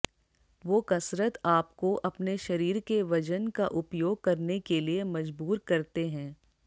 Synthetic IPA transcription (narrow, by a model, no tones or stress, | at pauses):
ʋoːkɐsɾət̪aːp̚koʔɐpneʃɐɾiːɾkeʋɐd͡ʒənkaʔʊpjoːɡ̚kɐɾnekeliemɐd͡ʒbuːɾkɐɾt̪eɦɛ̃ː